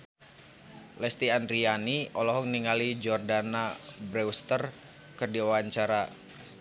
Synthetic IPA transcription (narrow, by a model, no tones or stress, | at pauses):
lɛst̪iandɾianiɔlɔɦɔŋniŋalid͡ʒɔrdanabɾɛwst̪ər | kɨrdiaaɲt͡ʃaɾa